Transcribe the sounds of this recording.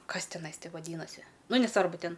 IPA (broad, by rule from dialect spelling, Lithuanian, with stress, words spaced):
ˈkɐs tʲɪˈnɐɪ ˈtʲɪ ʋɐˈdʲiːnɐsʲɪ ˈnʊ nʲɛˈsʋɐrbʊ ˈtʲɛn